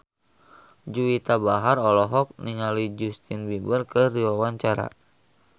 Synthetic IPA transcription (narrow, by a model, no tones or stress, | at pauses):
d͡ʒuit̪abaɦaɾɔlɔɦɔk̚niɲalid͡ʒust̪inbibərkəriwawaɲt͡ʃaɾa̰